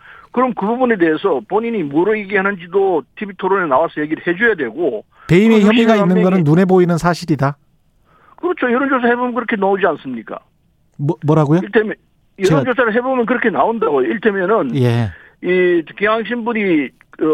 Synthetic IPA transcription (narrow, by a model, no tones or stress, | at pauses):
kɯɾʌmkɯbubune̞de̞esʰʌpoɲiɲimuɾɯiɡiɦanɯnd͡ʑidotʰibitʰoɾoɾenawasʰʌjeɡiɾɯɭhe̞d͡ʑujadwe̞ɡo | pe̞imeçjʌmiɡainːɯnɡʌnɯnːune̞boinɯnsʰaɕʰiɾida | kɯɾʌt͡ɕʰojɯɾʌnd͡ʑos̬ʰahebomnkɯɾʌkʰenood͡ʑians͈ɯmɲik͈a̰ | mʌmwʌɾaɡojoitʰem | jɯend͡ʑosʰaɾɯɭɦe̞bomjʌnk̬ɯɾʌkʰenaondaɡojoiɭtʰemjʌnɯnje̞ | ikiɦaŋɕ̬ʰinbuni